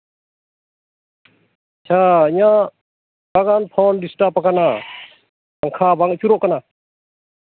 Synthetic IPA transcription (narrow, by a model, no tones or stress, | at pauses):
t͡ʃʰaijã | baɡanpʰɔndisʈapakana | aŋkʰabaŋt͡ʃʰuɾɔʔkana